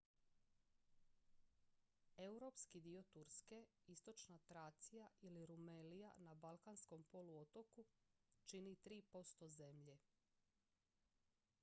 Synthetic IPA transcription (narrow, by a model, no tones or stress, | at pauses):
e̞wɾopskid̪io̞t̪uɾske̞ist̪o̞t͡ʃnat̪ɾaːt̪sijaʔiliɾumelija̰nabalˠkansko̞mpo̞luot̪o̞kut͡ʃinit̪ɾiːpo̞st̪o̞ze̞mʎe